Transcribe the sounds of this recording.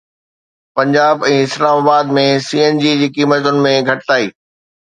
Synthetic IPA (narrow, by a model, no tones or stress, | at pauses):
pɐ̃ɲd͡ʑaːbɛ̃ːɪslaːmaːbaːd̪mẽsiːeːnd͡ʑiːd͡ʑiːkiːmət̪ʊnɪ̆mẽɡʱɐʈɪt̪aːiː